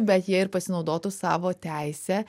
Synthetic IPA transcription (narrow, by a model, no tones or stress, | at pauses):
bʲɛt̪jiɛɪɾpɐsʲɪnɒʊd̪oːt̪ʊsɑːʋoːt̪ʲæˑɪsʲɛː